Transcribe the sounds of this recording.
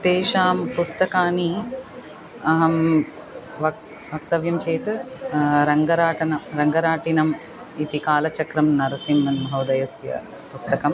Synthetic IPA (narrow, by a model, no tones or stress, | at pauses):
t̪eːʃaːmpust̪ɐkaːni | ɐɦɐm | ʋɐ | ʋʱɐk̚t̪ɐʋjɐmt͡ʃeːt̪ | ɾɐŋɡɐɾaːʈɐnɐɾɐŋɡɐɾaːʈinɐm | it̪ikaːlɐt͡ʃɐkɾɐmnɐɾɐsimːɐnʱɐwd̪ɐjɐsjɐ̰ | pust̪ɐkɐm